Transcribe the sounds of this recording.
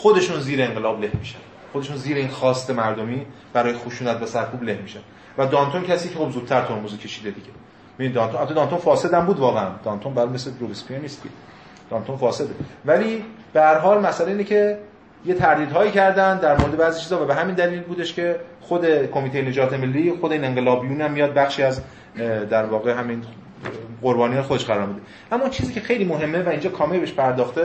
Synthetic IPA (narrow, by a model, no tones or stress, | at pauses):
xod̪e̞ʃuːnziːɾeeŋɢelɒːble̞hmiːʃænd̪xod̪e̞ʃuːnziːɾeinxɒːst̪e̞mæɾd̪omiː | b̥æɾɒːjexoʃuːnæt̪væsæɾkʰuːble̞hmiːʃænd̪ | væd̪ɒːnt̪ʰoncʰæsiːcʰe̞xo̞bzuːd̪̚t̪ʰæɾt̪ʰoɾmuzicʰe̞ʃiːd̪ed̪iɟe | evinid̪ɒːnt̪onhæt̪ʰːd̪ɒːnt̪onfɒːse̞d̪æmbuːd̪vɒːɣeænd̪ɒnt̪ʰonbæɾumesed̪ɾovespʰijeniːst̪kḛ | d̪̥ɒnt̪ʰonfɒːse̞d̪evæliː | b̥ehæɾɦɒːlmæsæleiːnecʰe̞ | je̞t̪ʰæɾd̪iːd̪ɦɒːjiːcʰæɾd̪ænd̪d̪æɾmoɾed̪e̞bæːzit͡ʃʰiːzhɒvæbeɦæmiːnd̪æliːlbuːd̪e̞ʃkʰe̞ | xod̪e̞kʰo̞mit̪ejene̞d͡ʒɒːt̪ʰe̞me̞lːiːxod̪eineŋɢelɒːbijuːnæmːijɒːd̪̚bæxʃiːæz | d̪æɾvɒːɣe̞ɦæmin | ɢoɾbɒːnijɒːnexod̪eʃɡæɾɒːɾmid̪e | ʔæmːɔint͡ʃʰiːziːcʰʲe̞xe̞jliːmoɦe̞mːevæiːnd͡ʒɒːkʰɒːmelbeʃpʰæɾd̪ɒːxt̪e